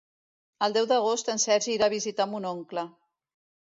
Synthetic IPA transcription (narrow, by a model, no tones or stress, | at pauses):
əlˠd̪ɛwd̪əɣost̪ənsɛɾʒiɾaβ̞izit̪amunoŋklə